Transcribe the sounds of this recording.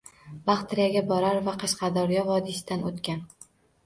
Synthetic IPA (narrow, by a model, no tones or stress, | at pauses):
bɑχt̪ɾijaɡʲabɒɾaɾvaqʰɑʃqɑd̪ɒɾjɒvɒd̪ɪsɪd̪anot̪kʲan